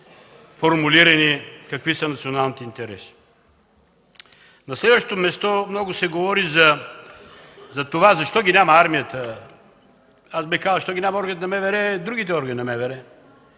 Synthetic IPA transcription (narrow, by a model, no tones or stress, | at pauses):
foɾmuliɾɐnikɐkvisɐnɐt̪sionalˠnit̪ɛint̪ɛɾɛsi̥ | nɐslɛd̪vəʃt̪t̪omɛst̪ɔmnɔɡʊsɛɡovɔɾizɐ | zɐt̪ovazɐʃt̪ɔɡʲinʲamɐaɾmijət̪ə | azbixkazlˠzəʃt̪ɔɡʲinʲamɐɔɾɡənt̪nɐmɛvɛɾɛd̪ɾuɡʲit̪ɛɔɾɡəninɐmɛvɛɾɛ